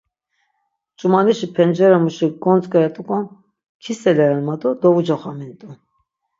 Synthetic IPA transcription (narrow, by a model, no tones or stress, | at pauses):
t͡ʃʼumɑniʃipʰɛnd͡ʒɛɾamuʃiɡɔnt͡skʼəɾɛt̪ʼukʼɔn | kʰisɛlɛɾɛnmat̪ʼud̪ɔvud͡ʒɔχamint̪ʼu